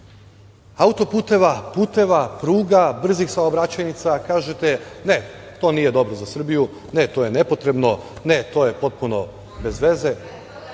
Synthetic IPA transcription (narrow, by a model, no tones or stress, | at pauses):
aut̪o̞puːt̪e̞ʋapuːt̪e̞ʋapɾuːɡabr̩zixsaobɾat͡ɕajnit̪sakaːʒe̞t̪e̞net̪o̞ːnije̞d̪o̞bɾozasr̩biju | net̪o̞je̞ne̞po̞t̪ɾe̞bno̞ne̞t̪o̞ːje̞po̞t̪̚puno̞ | be̞zʋe̞ze̞